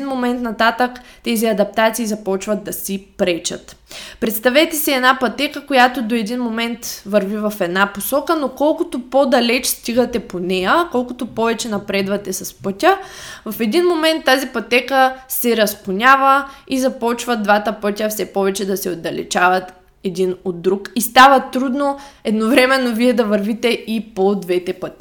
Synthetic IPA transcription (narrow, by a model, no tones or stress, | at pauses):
nmomɛnt̪nɐt̪at̪əkt̪ɛziɐd̪ɐp̚t̪at̪siːzɐpɔt͡ʃvɐt̪ːɐsipɾɛt͡ʃɐ̰t̪pɾɛt̪st̪ɐvɛt̪ɛsiɛd̪napɐt̪ɛkəkojat̪od̪oɛd̪inmomɛnt̪vɐɾvivɐfɛd̪naposɔkənokɔlˠkʊt̪opod̪ɐlɛt͡ʃst̪iɡət̪ɛponɛjəkɔlˠkʊt̪opɔvɛt͡ʃɛnɐpɾɛd̪vɐt̪ɛsɐspɤt̪ʲəvɐfɛd̪inmomɛnt̪ːazipɐt̪ɛkəsɛɾɐspʊnʲavəizɐpɔt͡ʃvɐd̪vat̪əpɤtʲəfsɛpɔvɛt͡ʃɛd̪ɐsɛod̪ɐlɛ̰t͡ʃavɐt̪ | ɛd̪inod̪ːɾukist̪avɐt̪ɾud̪noɛd̪novɾɛmɛnːoviɛd̪ɐvɐɾvit̪ɛipod̪vɛt̪ɛpət̪ʲi